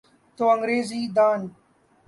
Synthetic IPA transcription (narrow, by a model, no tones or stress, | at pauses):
t̪oɐŋɾeːziːd̪aːn